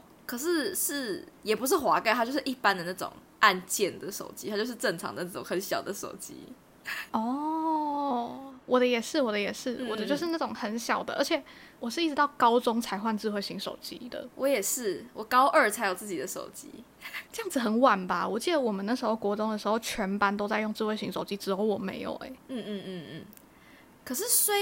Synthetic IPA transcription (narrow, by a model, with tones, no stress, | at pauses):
kʰɤ˨˩ʂɻ̩˥˧ʂɻ̩˥˩jɛ˨˩pu˧˦ʂ̬ɻ̩˥˩xwa˧˥ka˥˧ɪa˥t͡ɕjo˥˧ʊʂ̩˥ʔi˥˩pa˦nd̪ə˨na˥˩ʈ͡ʂʊ̰˨˩˦ŋ | ʔa˥˧nt͡ɕjɛ˥˩nd̪ə˩ʂo̰˨˩ʊt͡ɕi˥t̪ʰa˥t͡ɕjo˥˧ʊʂ̩˥˧ʈ͡ʂə˥˩ŋʈ͡ʂʰɑ̰˦ŋd̪ə˧˦na˥˩ʈ͡ʂʊ˨˦ŋxə˨˦nɕjɑ˨ʊd̪ə˦ʂo̰˨˩ʊt͡ɕḭ˦˥ | ɔ˥˩ | wɔ˨˩d̪ə˦jɛ˨˩ʂɻ̩˥˩wɔ˨˩d̪ə˦jɛ˨˩ʂɻ̩˥˩wɔ˨˩d̪ə˦t͡ɕjo˥˧ʊʂɻ̩˥˧na˥˩ʈ͡ʂʊ˨˩ŋxə˧˥nɕjɑ˨˩ʊd̪ə̰˦ʔə˞˧˥t͡ɕʰɛ˨˩˦wɔ˨˩ʂ̬ɻ̩˥˧i˥˩ʈ͡ʂɻ̩˧˥t̪ɑ˥˩ʊkɑ˥ʊt͡sʊ˥ŋt͡sʰa˧˥ɪxwa˥˧nt͡sɹ̩˥˧we˥˩ɪɕi˧˥ŋʂo̰˨˩ʊt͡ɕḭ˦˥d̪ə̰˨wʔɔ˧˥jɛ˨˩ʂɻ̩˥˩wɔ˨˩kɑ˥ʊʔə˞˥˩t͡sʰa˧˥ɪjo˨˩ʊt͡sɹ̩˥˩t͡ɕi˨˩d̪ə˦ʂo˨˩ʊt͡ɕḭ˦ | ʈ͡ʂɤ˥˧jɑ˥˩ŋd͡zɹ̩˩xə˨˩˦nwa˨˩nba˨wɔ˨˩t͡ɕi˥˩d̪ə˩wɔ˨˩mə˨na˥˩ʂ̩˧˥xo˥˩ʊkwɔ˧˥ʈ͡ʂʊ˥ŋd̪ə˨ʂɻ̩˧˥xo˥˩ʊt͡ɕʰɥɛ˧˥npa˥nt̪̬o˥ʊt͡sa˥˧ɪjo˥˧ŋt͡sɹ̩˥˧we˥˩ɪɕi˧˥ŋʂo˨˩ʊt͡ɕi˦˥ʈ͡ʂɻ̩˨˧˥jo˧˥ʊwɔ˨˩mḛ˧˥ɪjo̰˨˩ʊḛ˦n̩˥˧˥ | kʰɤ˨˩ʂ̬ɻ̩˥˩swe˥